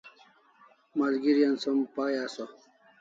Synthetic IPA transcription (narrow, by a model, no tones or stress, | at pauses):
mɐlɡiɾjɐnsɐmpaːjaːso